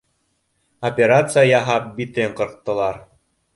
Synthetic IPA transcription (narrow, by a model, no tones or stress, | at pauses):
opʲeɾat̪sɨjajɑɦɑp̚bit̪ɘɴqɤ̆ɾt̪ːɤ̆lˠɑɾ